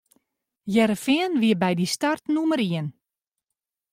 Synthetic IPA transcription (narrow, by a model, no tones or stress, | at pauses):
jɛɾəfɪənʋiəbɛjdistartnuməɾiən